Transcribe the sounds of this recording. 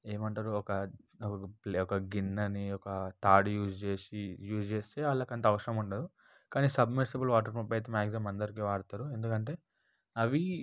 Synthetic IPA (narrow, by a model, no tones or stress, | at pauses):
e̞ːmɐɳʈaːɾuɔkɐkɐpɔkɐɡinːɐniɔkɐt̪aːɖjuːd͡ʒt͡ʃeːsijuːd͡ʒt͡ʃeːst̪e̞ːɐlːaːkɐnt̪ɐːʋɐʂɐɾɐmuɳʈɐːd̪u | kaːniːsɐbmiɾsɐbɐlʋaːʈ̬ɐɾmupːɐjt̪ɐmaːɡzɐmɐnd̪ɐɾik̬iːʋaːɽut̪aːɾue̞nd̪ukɐɳʈe̞ː | ɐʋi